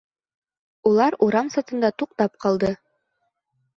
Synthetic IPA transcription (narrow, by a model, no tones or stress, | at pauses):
ulˠɑɾuɾɑmsɑt̪ɤ̆nd̪ɑt̪uq̚t̪ɑp̚qɑlˠd̪ɤ